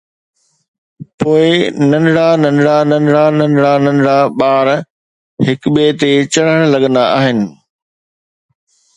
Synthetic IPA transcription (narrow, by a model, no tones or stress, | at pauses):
poːɪnɐnɽanɐnɽanɐnɽanɐnɽanɐ̃nɽaɓaːɾ | hɪkɓeːt̪et͡ɕɐɽ̤əɽ̃lɐɠə̃nd̪aʔaːɦɪnɪ̆